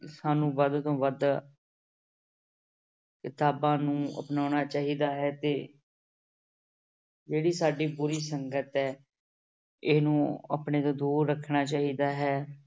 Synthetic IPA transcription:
saːnũːʋəd̪t̪õːʋəd̪ | kɪt̪aːbãːnũːə̰pnaːnaːt͡ʃaːɦiːd̪aːɦɛːt̪eː | d͡ʒeːɽiːsaːɖiːbʊɾiːsəŋɡət̪ɛː | ɪsnũːə̰pɳeːd̪aːd̪uːɾːəkʰːnaːt͡ʃaːɦiːd̪aːɦɛː

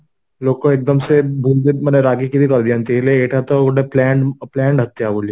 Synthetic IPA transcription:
loːɡkoeːk̚d̪əmsebʱuːld̪imɛneɾaːɡikid̪ikɐɾd̪ijãnt̪ileeːʈʰat̪oʊɖeplɛ̃ːɳɖplɛ̃ːɳɖɦɐt̪ːiaboːlie

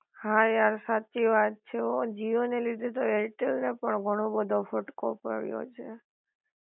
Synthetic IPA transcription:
haaɾsat͡ʃiʋat̪̚t͡ʃʰeod͡ʒiʋonelid̪ʱet̪oeɾʈelnepəɳɡʱəɽ̃obəd̪ʱofəʈko̰pə̰ɽjo̰t͡ʃʰe

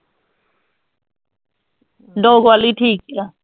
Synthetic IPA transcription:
ɖoːɡwaːliʈʰiːk̚a

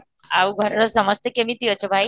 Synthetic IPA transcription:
auɡʱəɾɾɔsəməst̪ekemiːt̪iət͡ɕobʱaj

